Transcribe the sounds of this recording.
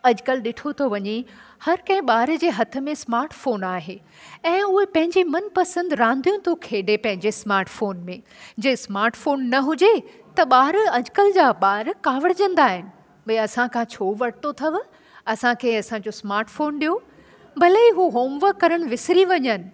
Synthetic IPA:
ɐd͡ʑkəlɗɪʈʰot̪ʰoʋɐɲehɐɾkɐ̃ɦɪ̃ɓaːɾd͡ʑeːɦɐt̪ʰə̆mẽsmaːɾʈfoːnaːɦe | ɛ̃ːʊɦepɐ̃ɦɪ̃ɲd͡ʑimɐnpɐsə̃nd̪ɾãːnd̪ʱijũt̪ʰokʰeːɖepɐ̃ɦɪ̃ɲd͡ʑesmaːɾʈfoːnmẽ | d͡ʑeːsmaːɾʈfoːnːɐɦʊd͡ʑe | t̪ɐɓaːɾɐd͡ʑʊkəld͡ʑaːɓaːɾkaːʋəɽd͡ʑɐ̃nd̪aːɦɪnɪ̆ | ɓɐiɐsãkʰãt͡ɕʰoːʋɐɽ̤̚t̪ot̪ʰɐʋ | ɐsãkʰeɐsãɲd͡ʑosmaːɾʈfoːnɗijo | bʱɐləiɦuɦoːmʋəkːɐɾəɽ̃ʋɪsɾiʋɐɲənɪ̆

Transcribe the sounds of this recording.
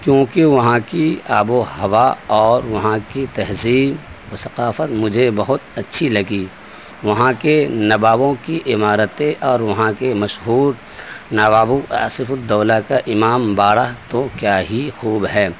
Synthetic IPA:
kjõːkeʋɐɦãkiaːboɦɐʋaɔːɾʋɐɦãkit̪ɐɦziːbwɐsɐqaːfət̪mʊd͡ʒʱebɐɦʊt̪ɐtːʃʰilɐɡiː | ʋɐɦãkenɐbaːbõkiʔɪmaːɾət̪ẽʔɔːɾʋɐɦãkemɐʃɦuːɾ | naːbaːbuʔa̰ːsɪfʊd̪ɔːlakaʔɪmaːmbaːɽat̪okjaːɦixuːbɦɛː

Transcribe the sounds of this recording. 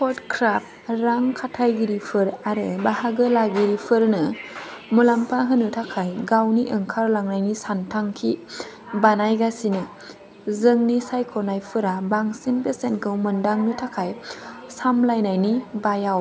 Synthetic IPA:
pʰɔtkʰɾap̚ɾaŋkʰatʰajɡiɾipʰɯɾaɾɯbahaɡɯlaɡiɾipʰɯɾnɯmulampʰaɦɯnɯtʰakʰajɡawniʔɯŋkʰaɾlaŋnajnisantʰaŋkʰi | banajɡasinɯ | zɯŋnisajkʰɔnajpʰɯɾabaŋsinpesenkʰɯwmɯndaŋnɯtʰakʰajsamlajnajnibajaw

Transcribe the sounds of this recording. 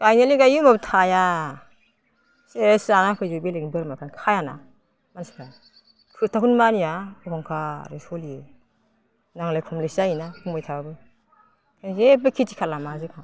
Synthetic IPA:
ɡ̥ajneliɡajɯmabtʰaja | sesanakʰɯjzubeleŋbɯɾmakʰankʰajana̰ | mansi̥kʰa | tʰɯtʰakʰunmanijaɔkʰɔŋkʰaɾisɔlie | naŋlajkʰɔmlesainakʰuŋbɔjtʰababɯ | kʰanzebɯkʰitikʰalamazɯkʰa

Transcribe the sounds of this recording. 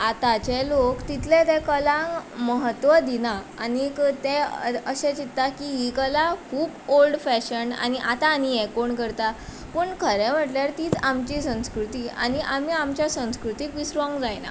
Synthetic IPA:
at̪at͡ɕɛlokt̪it̪ʰlɛ̃t̪ɛkəlãŋkməɦət̪ːʋəd̪inaːnikt̪ɛ̃əɕɛ̃t͡ɕit̪ːakiɦikəlakʰuːbolɖfæɕəɳɖa̰niʔat̪aːniɛkoɳkəɾt̪a | pəːɳkʰəɾɛm̤əʈljaɾt̪iːt͡samt͡ɕisə̃w̃skɾut̪iːa̰niʔam̤iamt͡ɕjasə̃w̃skɾut̪iːkʋisɾɔ̃ŋɡd͡zajna̰

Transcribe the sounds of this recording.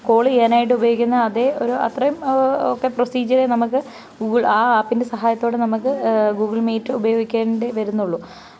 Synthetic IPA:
ko̞ːɭienaːjiʈ̬ːɨubɐjoːikʲːunːɐɐðe̞o̞ɾuɐ̰t̪rɐjumokːeprosiːd͡ʑɐɾenɐmukːɨ | ɡuːɡɨɭaːaːpːinde̞sɐɦaːjɐt̪ːo̞ːɽenɐmukːɨɡuːɡiɭmiːtːɨubɐjo̞ːɡikʲːeːndeʋɐɾunːuɭːu

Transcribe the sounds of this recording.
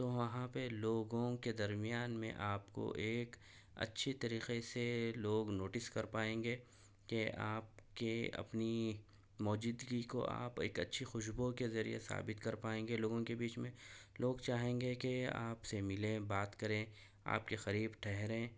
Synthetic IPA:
t̪oʋɐɦãpeloːɡõked̪ɐɾmɪjaːnmḛ̃ʔaːpko̰ʔeːk | ɐ̰tːʃʰet̪ɐɾiːqeseloːɡnoːʈɪskɐɾpaːẽːŋɡeː | keaːp̚keɐ̰pni | mɔːd͡ʒɪd̪ɡiko̰ʔa̰ːpḛːkɐtːʃʰixʊʃbokezɐɾḭjḛsa̰ːbɪt̪kɐɾpaːẽːŋɡeloːɡõkebiːt͡ʃmẽloːɡt͡ʃaːɦẽːŋɡekea̰ːpsemɪlẽbaːt̪kɐɾẽ | a̰ːp̚kexɐɾiːbʈʰɛɦɾẽː

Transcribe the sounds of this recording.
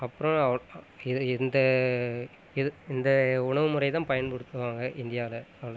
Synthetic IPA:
ɐpːɯɾɔ̃ɐʋ | ɪðɪnd̪ɐ | ɪðɯɪnd̪ɐʊɳɐʋɯmʊrɐɪt̪ãːpɐjɐnpɐɽɯt̪ːɯʋaːŋɡɐʔɪnd̪ɪjaːlɐɐʋɐɭ

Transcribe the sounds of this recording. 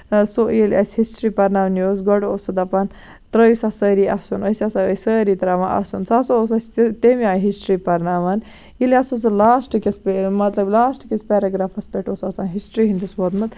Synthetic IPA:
sojilʲɐsʲhisʈɾipɐɾnaːʋnjoːs̬ɡɔɖosɐd̪ɐpɐn | t̪ɾəjsasəːɾiʔɐsunəsʲɐsaəsəːɾit̪ɾaːʋaʔɐ̰sunsasooːsɐsʲt̪t̪emiaːɦisʈɾipɐɾnaʋɐn | jiliasɐsolaːsʈkespemɐt̪lɐblaːsʈkʲespʲeɾaɡɾaːfɐspʲeʈʰoːsɐsaːnɦisʈɾiɦind̪isbot̪mɐt̪

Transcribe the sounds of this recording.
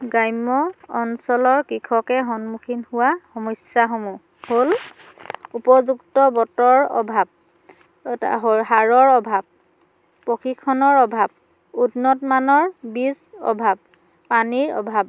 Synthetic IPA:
ɡajmɔːnsɔlɔɹkɹikʰɔkɛɦɔnmukʰinhuwaxɔmɔjsjaɦomu | hol | upɔzuɡtɔbɔtɔɹɔ̰bʱab̚ | a̰ɦɔɦaɹɔɹɔbʱab̚ | pːokʰikʰɔnɔɹɔbʱab | udnɔtmanɔɹbizɔ̰bʱab̚ː | aniɹɔ̰bʱab̚

